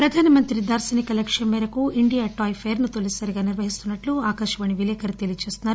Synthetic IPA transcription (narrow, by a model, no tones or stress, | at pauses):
pɾɐd̪ʱaːnɐmɐnt̪ɾid̪aːɾsɐnikɐlɐkʂjɐmːɛːɾɐkuiɳɖijaːʈaːjpʰeːɾnut̪olisɐɾiɡaːniɾʋɐɦist̪unːɐʈluaːkɐʃʂɐʋɐɳiʋilɛːkɐɾit̪elijt͡ʃe̞ːst̪unːaːɾu